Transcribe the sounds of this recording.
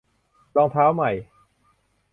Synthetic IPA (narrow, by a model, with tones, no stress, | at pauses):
lɔː˧ŋt̪ʰaː˦˥wma˨˩j